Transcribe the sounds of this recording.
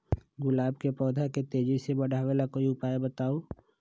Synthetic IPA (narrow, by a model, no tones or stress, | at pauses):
ɡʊlaːbkepɔːd̪ʱaket̪eːd͡ʒisebɐɽ̤ʱaːʋelakoːiʊpaːebɐt̪aːoː